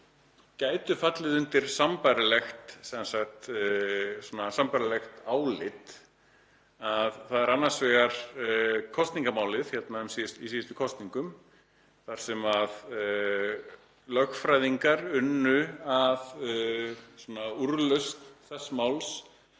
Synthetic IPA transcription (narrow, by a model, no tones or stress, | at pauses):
caːjt̪ʏfat̪lɪðʏnt̪ɪɾ̥sampajɾalɛxt̪sɛnsaxt̪ | sɔnasampajɾalɛxt̪aːwlɪt̪ | aðθaðɛɾanːḁsvɛɣaɾ̥ | kʰɔst̪niŋkamaːwlɪðçɛt̪nmaʏmsiɪst̪isiːjɪst̪ʏ̥kʰɔst̪niŋkʏm | θaɾ̥sɛmað | lœxfɾajðiŋkaɾʏnːʏað | sɔnauɾlœst̪θɛsmawls